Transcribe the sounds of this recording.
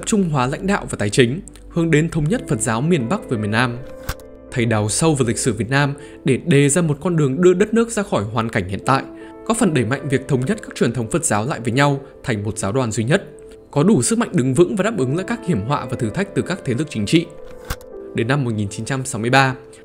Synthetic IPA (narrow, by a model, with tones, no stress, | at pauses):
t̪ə˨˩p̚t͡ɕʊ˧ŋ͡mɦwaː˨˦la̰˧˥jŋ̟ɗa̰ː˧˨wvaː˨˩t̪aː˨˧˩jt͡ɕï˨˦ŋ̟ | hɨ˧əŋɗe˨˦nt̪ʰə˨˧wŋ͡mɲə˦˥t̚fə˨˩t̚zaː˨˦wmi˨˩ənɓa˦˥k̚vəː˨˦mi˨˩ənaː˧m | t̪ʰə˨˩jɗa˨˩wsə˧wvəː˨˩li˨˩k̟̚sɨ˧˩vi˨˩ət̚naː˧m | ɗe˧˩ɗe˨˩zaː˧mo˨˩t̚kɔ˧nɗɨ˨˩əŋɗɨ˧əɗə˦˥t̚nɨ˦˥k̚zaː˧xɔ˧˩jɦwaː˨˩nka˧˩jŋ̟hḭ˧˨nt̪a̰ː˧˨jʔ | kɔ˨˦fə˨˩nɗə˧˩jma̰˧˨ŋ̟vi˨˩ək̚t̪ʰə˨˧wŋ͡mɲə˦˥t̚kaː˦˥k̚t͡ɕwi˨˩ənt̪ʰə˨˦wŋ͡mfə˨˩t̚z̥aː˨˦wla̰ː˧˨jvəː˨˦ɲa˧w | t̪ʰa˨˩jŋ̟mo˨˩t̚zaː˨˦wɗwaː˨˩nzwi˧ɲə˦˥t̚ | kɔ˨˦ɗu˧˩sɨ˦˥k̚ma̰˧˨jŋ̟ɗɨ˨˦ŋvɨ̰˧˥ŋvaː˨˩ɗaː˦˥p̚ʔɨ˨˦ŋla̰ː˧˨jkaː˦˥k̚hi˧˩əmɦwa̰ː˧˨vaː˨˩t̪ʰɨ˨˧˩t̪ʰa˦˥k̚t̪ɨ˨˩kaː˦˥k̚t̪ʰe˨˦lɨ˨˩ək̚t͡ɕï˨˦ŋ̟t͡ɕḭ˧˨ | ɗe˨˦nːa˧mːo˨˩t̚ŋi˨˩nt͡ɕi˨˦nt͡ɕa˧msa˨˦wmɨ˧əjɓaː˧